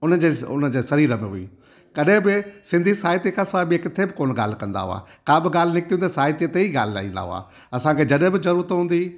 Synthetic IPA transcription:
ʊnəd͡ʑeːʊ̰nəd͡ʑeːsɐɾiːɾəmẽɦui | kɐɗɦɪ̃bɪsɪ̃nd̪ʱisaːɦɪt̪ikʰãsɐabiekɪt̪ʰebɪkoːnɠa̰ːl̤ɪ̆kɐ̃nd̪a̰ɦʊ̰a̰ːkaːbɪɠaːl̤ɪnɪk̚t̪ĩũnd̪esaːɦɪt̪iət̪eiɡaːl̤ɪla̰ːĩːnd̪a̰ɦʊ̰a̰ː | ɐsãkʰed͡ʑɐɗɦɪ̃bɪzɐɾuːɾət̪ɦũːnd̪iː

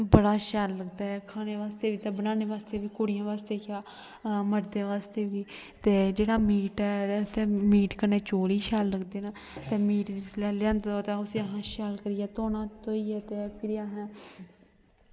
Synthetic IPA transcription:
bəɽaːʃaːlːəɡd̪aːɛːkʰaːneːʋaːst̪eːʋiːt̪aːbənãːneːʋaːst̪eːʋiːkoːɽɪjãːʋaːst̪eːkjaː | məɾd̪eːʋaːst̪eːʋiː | t̪eːd͡ʒeːɽaːmiːʈɛːt̪eːmiːʈkəɾneːt͡ʃoːɾiːʃaːlːəɡd̪eːnaː | t̪eːmiːʈɪslɛːljãːnd̪d̪oːt̪aːʊsiːəɦãːʃaːlkəɾɪjɛːt̪oːnãːt̪oːiːɛːt̪eːpʰɪɾaɦãː

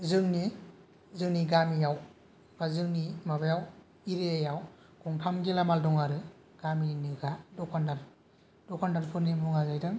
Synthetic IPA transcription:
zɯŋni | zɯŋniɡamijaw | ɡazɯŋnimabajaw | iɾeajaw | ɡʰɔŋkʰamɡilamaldɔŋaɾɯ | ɡ̥amiinɯɡadɔkʰandaɾ | dɔkʰandaɾpʰɯɾnimuŋazajdɯŋ

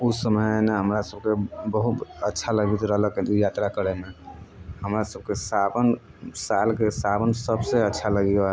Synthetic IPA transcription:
usəməneɦəmɾasəb̚kebəɦut̪ətːʃʰaləɡit̪ɾəɦləkd̪ijat̪ɾakəɾɛmeɦəmɾasəb̚kesabən | salkesabənsəbseətːt͡ʃʰaləɡiɡa

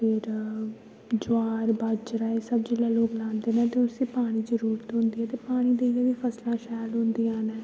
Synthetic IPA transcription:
pʰɪɾ | d͡ʒʊaːɾbat͡ʃɾaːeːsəbd͡ʒɪlaːloːklãːnd̪eːnãːt̪eʊsĩːpaːɽ̃iːd͡ʒəɾuːɾt̪ɦõnd̪iːɛːt̪eːpaːɽ̃iːd̪eijɛːʋiːpʰəslãːʃɛːlɦʊ̃nd̪iːãːnɛː

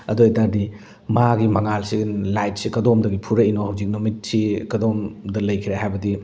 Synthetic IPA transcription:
ɐdojtaɾdi | maɡimɐŋalsinlajt̚sikɐdomdɐɡipʰuɾɐinohɐwzik̚numit̚sikɐdomdɐlɐjkʰiɾehajbɐdi

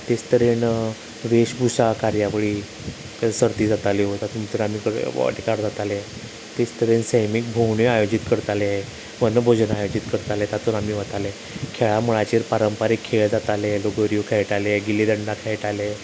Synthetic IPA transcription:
t̪est̪əɾen | ʋeɕbʱusakaɾjaʋəɭiː | səɾt̪iːd͡zat̪aleot̪at̪ʰuːnt̪əɾamikəɾ̰ʈʰikaɽd͡zat̪alẽ | t̪est̪əɾensəjmik̚bʱowɳeajod͡ʑit̪kəɾt̪ale | ʋənbʱod͡ʑənajod͡ʑit̪kəɾt̪alet̪at̪ʰunamiːʋat̪ale | kʰeɭamuɭat͡ɕeɾpaɾəmpaɾikʰːeɭd͡zat̪aleloɡəɾijokʰaɭʈaleɡilid̪əɳɖakʰeʈale

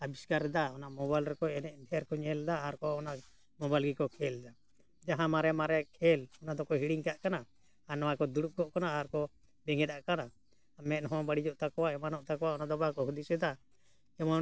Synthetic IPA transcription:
abiskaɾd̪aɔnaʔmɔbajlɾɛkɔɛnɛʔɖʱɛɾkɔɲɛld̪aːɾkɔɔnaʔ | mɔbalɡikɔkʰɛld̪a | d͡ʒaɦãmaɾɛmaɾɛkʰɛlɔnad̪ɔkɔɦiɽiŋkaʔkana | anɔwakɔd̪uɽup̚kɔʔkanaːɾkɔ | bɛŋɛt̪aʔkana | mɛt̪̚nɦɔ̃baɽid͡ʒɔʔt̪akɔwaɛmanɔʔt̪akɔwaɔnad̪ɔbakɔɦud̪isɛd̪a | ɛmɔ

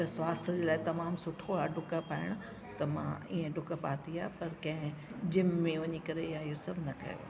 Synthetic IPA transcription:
t̪ɐswaːst̪ʰəd͡ʑeːlaːɪt̪ɐmaːmsʊʈʰoaːɖʊkapaːɪɽ̃ʊ | t̪ɐmã̰ḭːẽɖʱʊkapaːt̪ʰiaːɦpɐɾkɐ̃ɦɪ̃d͡ʑɪmːẽʋɐɲikɐɾeɪɦãɪɦosɐbʱnɐkɐ̰jo̰aː

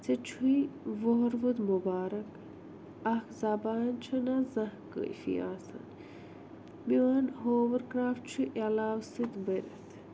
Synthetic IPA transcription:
t͡set͡ʃʰuiʋoɦɾʋud̪mubaːɾɐk | ɐkzabaːnt͡ʃʰɐnazɐ̃hkə̰jfḭaːsɐ̰n | miwanɦoːʋəɾkɾaːft͡ʃʰuʔalaːwsɨt̪bəɾʲɐt̪ʰ

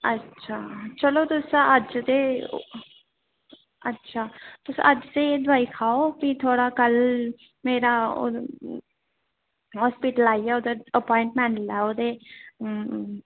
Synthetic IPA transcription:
ətːʃʰaːt͡ʃəloːt̪ʊsaəd͡ʒt̪e | ətːʃʰaːt̪ʊsʔəd͡ʒt̪ed̪ʋaːiːkʰaːopit̪ʰoːɽakəl | meːɾao̰ | ɦɔːspiʈəlaːiɛːoːd̪eəpɔːɪ̃ɳʈmɛ̃ːɳʈlɛːoːd̪eː

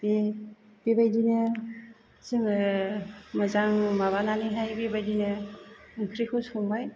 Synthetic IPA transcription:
be | b̥ebajdinɯ | z̥ɯŋ | məzaŋmaβananiɦajbibajdinɯɯŋkʰɾikʰushuŋbaj

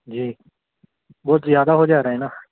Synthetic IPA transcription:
d͡ʒiː | bɔːt̪zɪjaːd̪aːɦoːd͡ʒaːɾaːɦɛːnaː

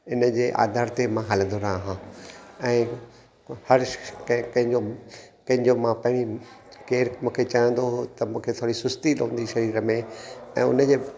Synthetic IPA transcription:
ɪnə̆d͡ʑeːʔa̰ːd̪ʱaːɾt̪emãɦaːlə̃nd̪oɾaãɦãɛ̃ː | hɐɾkkɐ̃ɦɪ̃ɲd͡ʑo | kɐ̃ɦɪ̃ɲd͡ʑomãpɐ̃ɦɪ̃ɽ̃i | keːɾmũːkʰet͡ɕaːjə̃n̆d̪oɦot̪ɐmũːkʰet̪ʰoːɾisʊst̪ilɦũːnd̪iʃɐɾiːɾəmẽɛ̃ːʊ̰nəd͡ʑeː

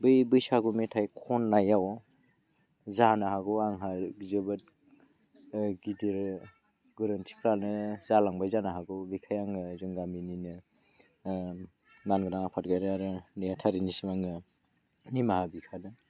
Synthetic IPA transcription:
bɯjbɯjsaɡumetʰajkʰɔnːajaw | zanaɦaɡɔaŋɦaɡzɯbɯt̚ | ɡidiɾ | ɡɯɾɯntʰi̥kʰɾalnɯzalaŋbajzanaɦaɡɔɡijkʰajaŋɯzɯŋɡamininɯ | nanɡɯdaŋapʰat̚ɡajɾaɾɯnajatʰaɾinisimaŋɯ | nimahabikʰadɯ

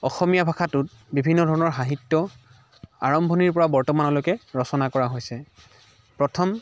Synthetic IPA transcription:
ɔxɔmijabʱakʰatʊt̚ | bibʱinːɔdʱɔɹɔnɔɹxaɦitːɔ | a̰ɹɔmbʱɔniɹpɔɹabɔɹtɔmanɔlojkɛɹɔsɔnakɔɹaɦojsɛ | pɹɔtʰɔm

